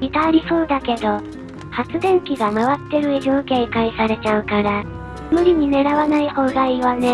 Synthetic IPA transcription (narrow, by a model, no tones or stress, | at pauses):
mʲit̪aːɾʲiso̞ːd̪ake̞d̪o̞ | hat͡sɨd̪ẽ̞ŋkʲiɡamaβat̪ːe̞ɾɯ̟iʑoːkeikaisaɾe̞t͡ɕaɯ̟kaɾa | mɯ̟ɾʲiɲ̟ine̞ɾaβanaiho̞ːɡaiβane